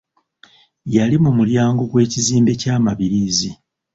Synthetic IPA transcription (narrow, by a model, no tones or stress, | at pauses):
jalimumuljaːŋɡoɡwe̞ːciziːmbe̞caːmaβiɾiːzi